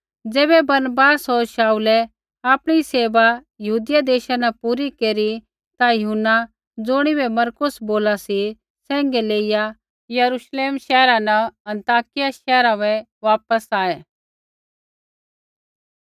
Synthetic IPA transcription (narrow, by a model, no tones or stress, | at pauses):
d͡zeːbɛbɐɾnəbaːsɦoɾʃaːulɛ | aːpɽ̃iseːʋa | jɐɦuːd̪ɪjad̪eːʃanɛpuːɾikeːɾi | t̪ajɐɦʊnːa | d͡zʊɽ̃ibɛmɐɾkʊsboːlasi | sɛ̃ːŋɡɛleːɪja | jɐɾuʃleːmʃɛːɾãnɐɐ̃nt̪aːkɪjaʃɛːɾãʋɛ | ʋaːpəsaːeː